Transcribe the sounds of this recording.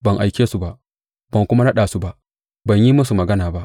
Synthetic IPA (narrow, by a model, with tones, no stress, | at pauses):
bɐ˨ŋʔa˨jkʲeː˦su˨ba˦˨ʔ | b̥ɐ˨ŋkʷʊ˦ma˦na˦ɗaː˨su˦ba˦ʔ | bɐ˨ɲji˦mʊ˦s̬u˨mɐ˨ɡɐ˦naː˨ba˦ʔ